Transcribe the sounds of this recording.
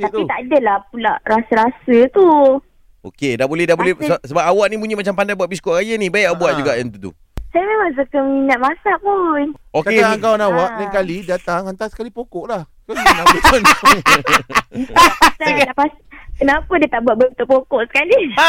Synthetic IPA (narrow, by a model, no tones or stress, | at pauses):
at̪it̪aʔadəlap̚ula̰ʔɾasəɾasət̪u | o̰kedabolɛhdaʔbolɛssəbap̚awaʔnibuɲimat͡ʃampandajbuat̪ʔ̚bis̬koʔɾajanĩbajʔbuaʔd͡ʒuɡaʔjaŋt̪ut̪ṵ | sajamemãŋs̬əkəminat̪̚masaʔpunokeaaŋkawanawaʔlaŋkalidat̪aŋant̪asə̥kalipokɔʔlah | kəaon | aasalapas | kənapədiət̪aʔbuat̪̚bəbit̪oʔpokɔʔsə̥kali